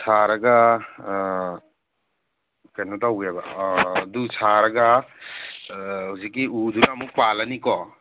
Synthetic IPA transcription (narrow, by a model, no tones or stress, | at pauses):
sʰaɾɐɡa | kajnɔtawɡebadusʰaɾɐɡa | husikːiudunɐmuk̚palɐnikɔ